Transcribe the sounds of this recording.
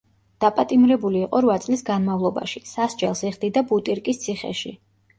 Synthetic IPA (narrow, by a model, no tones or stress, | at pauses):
d̪̥apʼat̪ʼimɾɛbuliːqʼɔɾwat̪sʼlisɡanmavlˠɔba̰ʃisasd͡ʒɛlˠsiʁd̪id̪abut̪ʼiɾkʼist̪sʰiχɛ̰ʃḭ